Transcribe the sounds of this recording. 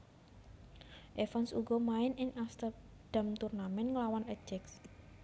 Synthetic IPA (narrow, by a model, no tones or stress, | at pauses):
ʔefansuɡɔmaɪnɪŋʔast̪ər | d̪̥a̤mt̪urnamɛnŋəlawanəd͡ʒɛks